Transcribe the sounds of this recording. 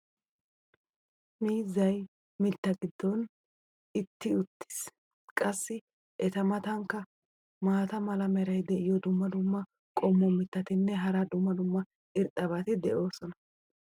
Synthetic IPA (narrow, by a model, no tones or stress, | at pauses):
miːzːɐj | mɪt̪ːɐɡɪd̪ːɔn | ɪt̪ːɪʊt̪ːɪ̥s | kʼɐsːɪ | ʔɛt̪ɐmɐt̪ɐŋkːɐ | maːt̪ɐmɐlɐmɛɾɐjd̪ɛʔɪjɔd̪ʊmːɐd̪ʊmːɐ | kʼɔmːɔmɪt̪ːɐt̪ɪnːɛɦɐɾɐd̪ʊmːɐd̪ʊmːɐ | ɪɾt̪ʼɐβat̪ɪd̪ɛʔo̞ːsɔnɐ̥